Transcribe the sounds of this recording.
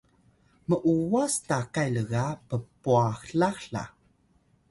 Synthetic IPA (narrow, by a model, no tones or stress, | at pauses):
məʔuwastakajləɣapəpuaxɬaxɬa̰